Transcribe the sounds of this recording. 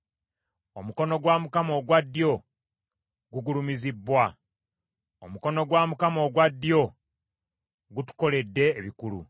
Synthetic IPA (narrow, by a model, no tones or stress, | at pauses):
o̞muko̞no̞ɡwaːmukamo̞ːɡwadːjo̞ | ɡuɡulumizibːwa | omko̞noɡwaːmukamo̞ːɡwadːjo̞ | ɡutu̥ko̞le̞dːe̞ːβikulṵ